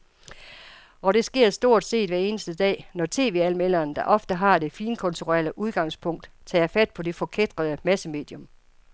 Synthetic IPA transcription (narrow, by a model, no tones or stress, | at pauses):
ɒ̽ɾ̥e̝sɡ̥e̝ɐ̰sd̥o̝ɐ̰d̥se̝̰ːd̥ʋæɐe̝ːnəsd̥əd̥ɛ̰ːnɒt͡sʰe̝̰ːʋe̝ælmel̰ɐːnd̥ɑ̈ʔɒ̽fd̥əɦɑ̈d̥e̝fiːnkʰɔ̽nt͡sʰuʁɛ̰ɐləʔuð̞ˠɡ̥ɑ̈ŋspʰɔ̽ŋ̰d̥ | t͡sʰɛ̰ːæfæd̥̚pʰɒ̽de̝fɒ̽kʰed̥ʁɐð̞ˠəmæsəme̝̰ːd̥jɔ̽m